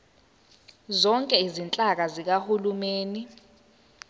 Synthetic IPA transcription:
zɔŋkʼɛizint͡ɬʼak̬azik̬ahulumeːni

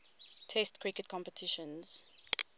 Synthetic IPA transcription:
tʰɛstkʰɹikətkʰɔ̃mpətʰɪʃə̃nz̥

